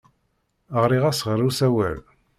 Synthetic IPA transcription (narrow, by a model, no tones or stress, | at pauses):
əʁɾiʁæsəʁɾˤusæwæ̰l